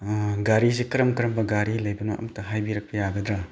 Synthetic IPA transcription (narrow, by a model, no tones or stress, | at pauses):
ɡaɾizikɐɾɐmkɐɾɐmbɐɡaɾilɐjbɐnoʔɐ̰mtɐɦajbiɾɐk̚pɐjaɡɐd̪ɾa